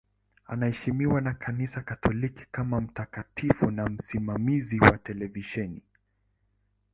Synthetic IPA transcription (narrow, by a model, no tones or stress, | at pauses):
a̰nahɛʃimiwanakʰanisakatʰɔliki̥kamam̩takatifunam̩simamiziwa̰tɛlɛviʃɛni